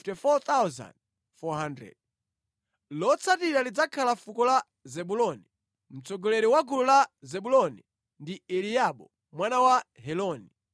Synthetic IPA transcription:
tifɔt̪awza̰nd̚ | fɔɦandɾɛ̰d̚ | lɔt͡sʰatiɾalid͡zakʰalafukɔla | zɛɓulɔni | m̩t͡sɔɡɔlɛɾiwaɡululazɛɓulɔnḭ | ndiɛlijaɓɔ | mwanawaɦɛlɔni

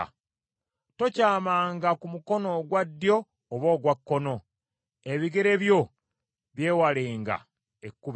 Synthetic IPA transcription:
to̞caːmaːŋɡakumuko̞no̞ɡwad̪ːjo̞ː | βo̞ːɡwakːo̞no̞ | e̞βiɡe̞ɾe̞βjo̞ | βje̞ːwaleːŋɡa̰ | ekːuβ

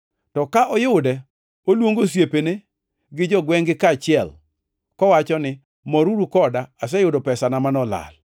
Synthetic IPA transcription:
tɔkaʔɔjʊdɛ | olwoŋɡosjepene | ɡɪd͡ʒɔɡwɛŋɡɪkat͡ʃɪɛl | kɔwat͡ʃɔnɪ | mɔɾuɾukɔdaːsɛjʊdopɛsanamanɔla̰l

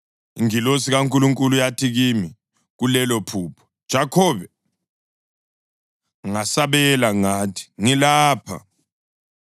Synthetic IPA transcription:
iŋilosiɣaŋkʼuluŋkʼulujatʰiɣimi | ɣulɛlopʰuːpʰɔ̥d̥ʒ̥ʱakʰɔβɛ | ŋasaβɛlaŋaːtʰi̥ŋilaːpʰa̰

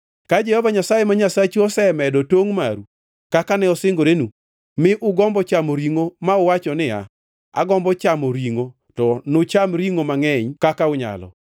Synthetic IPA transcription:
kad͡ʒɛhɔvaɲasajemaɲasat͡ʃɔsɛmɛdɔtoŋma̰ɾu | kakanɛɔsɪŋɡoɾenu | mɪʔʊɡɔmbɔt͡ʃamoɾiŋomaʊwat͡ʃɔnɪa̰ | a̰ɡɔmbɔt͡ʃamoɾiŋo | tɔnʊt͡ʃamɾiŋomaŋɛɲkakaʊɲa̰lɔ̰

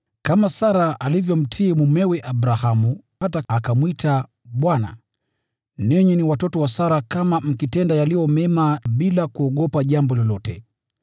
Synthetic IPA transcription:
kamasaɾaʔalivjɔm̩tʰiːmumɛwɛʔabɾahamuhataakamwita | ɓwana̰ | nɛɲɛniwatɔtɔwasaɾakamam̩kitɛndajalijɔmɛmaɓilakuɔɠɔpaʄambɔlɔlɔtɛ̰

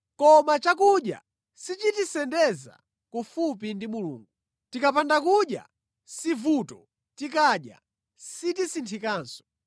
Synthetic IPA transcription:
kɔmat͡ʃakuɗja̰ | sit͡ʃitisɛndɛza̰ | kufupindimulṵːŋɡu | tikapʰandakuɗja̰ | sivutɔ | tikaɗja̰ | sitisintʰikaːnsɔ̥

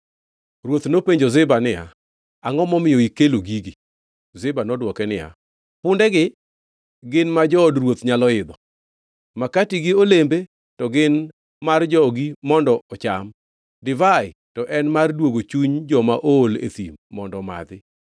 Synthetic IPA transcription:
rwot̪nopeɲd͡ʒozɪbanɪja̰ | aŋɔmɔmɪɔikeloɡiɡɪ | zɪbanɔdwɔkɛnɪja̰ | pʊndɛɡɪ | ɡɪnmad͡ʒɔːdrwot̪ɲalɔɪd̪ɔ | makatiɡɪolembe | tɔɡɪn | mard͡ʒɔɡimɔndɔɔt͡ʃam | dɪvaɪtɔʔɛnmardwoɡot͡ʃuɲd͡ʒɔmaʔoːlḛt̪ḭmːɔndɔma̰d̪ɪ

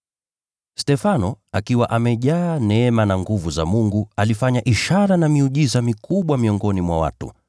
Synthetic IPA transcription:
stɛfanɔakiwaʔamɛʄaːnɛɛmanaŋɡuvuza̰muŋɡualifaɲaʔiʃaɾanamiuʄizamikuɓwamiɔŋɡɔnimwa̰wa̰tṵ

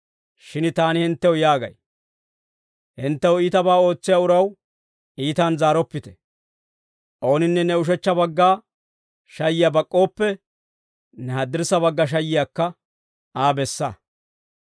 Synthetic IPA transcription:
ʃɪnt̪aːnɪhɪnt̪ːɛwjaːɡɐ̰j | hɪnt̪ːɛwiːt̪ɐbaːo̞ːt͡sːɪjaːʊɾɐw | ʔiːt̪anzaːɾɔpːɪt̪ɛ̥ | ʔo̞ːnɪnːɛnɛʊʃ̬ɛt͡ʃːɐbɐɡːaː | ʃɐjːɪjabɐkʼːo̞ːpːɛ | nɛhɐd̪ːɪɾsɐbɐɡːɐʃ̬ɐjːɪjaːkːɐ | aːbɛsːɐ̰

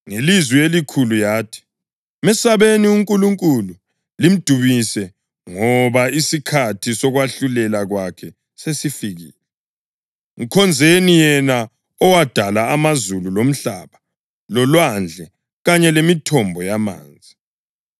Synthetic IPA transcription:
ŋelizwielikʰulujaːtʰi̥ | mɛsaβeniuŋkʼuluŋkʼulu | lim̩d̥ʱuβisɛ | ŋɔβaisikʰatʰisɔɣwaɬulɛlaɣwakʰɛ | sesifiɣḭːlɛ | ŋikʰɔnd͡zʱenijɛna | ɔwad̥ʱalaːmazululom̩ɬaβa | lɔlwand͡ɮʱɛ | ɣaɲɛlemitʰɔmbʱɔjama̰ːnd͡zʱi

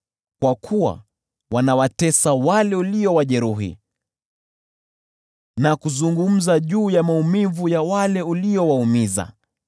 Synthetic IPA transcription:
kwakʰuwa̰ | wanawatɛsawalɛuliɔwaʄɛɾuɦḭ | nakuzuŋɡum̩zaʄuːjamaumivujawalɛuliɔwaumiza̰

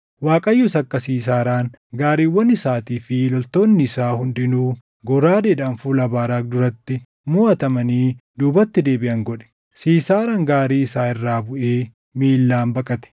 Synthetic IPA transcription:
waːkʼɐjːʊsɐkːɐsiːs̬aːɾaːn | ɡaːɾiːwːɐnɪsaːt̪iːfɪlɔlt̪o̞ːnːɪɪsaːhʊnd̪ɪnuː | ɡɔɾaːd̪eːᶑaːnfuːlɐbaːɾaːk̚d̪ʊɾɐt̪ːɪ | mʊːɐt̪ɐmɐniːd̪uːbɐt̪ːɪd̪e̞ːbɪʔɐŋɡɔᶑɛ̥ | siːsaːɾaːŋɡaːɾiːɪsaːɪrːaːbʊʔe̞ː | miːlːaːmbɐkʼɐt̪ɛ̥

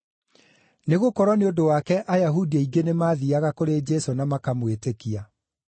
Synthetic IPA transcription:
neɣokɔɾɔneodowakɛʔajaɦudiaiɡenemaːðiaɣakoɾed͡ʒɛsonamakamwetekia

